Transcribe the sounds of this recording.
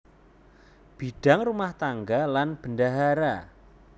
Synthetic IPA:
b̥iɖ̥a̤ŋrumaht̪aŋɡalanb̥əndaɦaɾa

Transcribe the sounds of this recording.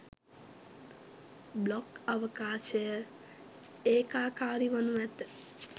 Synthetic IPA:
blɔkəʋəkaːʃe | eːkaːkaːɾiʋɐnuʋɛt̪

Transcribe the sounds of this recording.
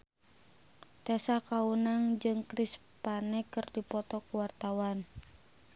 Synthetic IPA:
t̪ɛsakaunaŋd͡ʒɨŋkɾis | panɛkɨrdipɔt̪ɔkuwart̪awan

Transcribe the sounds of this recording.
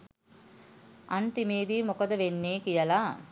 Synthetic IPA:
ʔant̪imeːd̪iːmokəd̪əʋenːeːkijəla

